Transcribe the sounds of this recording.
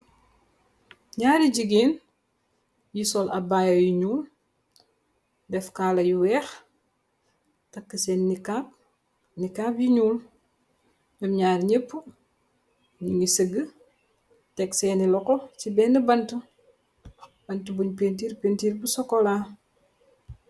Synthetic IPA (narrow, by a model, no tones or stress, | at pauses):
ɲaːɾiɟiɡiːn | jisɔlɐbaːjɐjiɲuːl | dɛfkaːlɐjuwɛːx | tɐkːəsɛnːikap̚ | nikaːpjiɲuːl | ɲɔmɲaːrɲepːu | ɲiŋisəɡə | tɛksɛːnilɔkɔt͡ʃibɛːnəbɐntu | b̥ɐntubuɲpent̬iːɾpentiːɾbusɔkːɔlaː